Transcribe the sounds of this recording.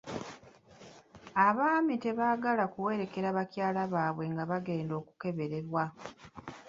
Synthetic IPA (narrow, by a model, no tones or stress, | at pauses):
aβaːmite̞βaːɡalakuwe̞ːɾe̞ke̞ɾaβacjaːlaβaːβwe̞ŋɡaβaɡe̞ːndo̞ːku̥ke̞βe̞ɾe̞ɾwa